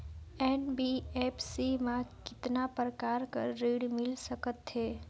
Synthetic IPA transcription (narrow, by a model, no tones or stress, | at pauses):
ɛːnbiɛːpʰsimãkɪt̪napɾəkaːɾkə̰ɾːiːɽmɪlsəkət̪ɦeː